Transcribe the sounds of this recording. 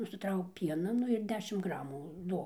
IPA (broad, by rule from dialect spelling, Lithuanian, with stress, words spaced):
nʊsʲɪˈtrɐʊk ˈpʲiɛnɐ ˈnʊ ɪr ˈdʲæːʃʲɪm ˈɡrɑːmuː ˈduɔk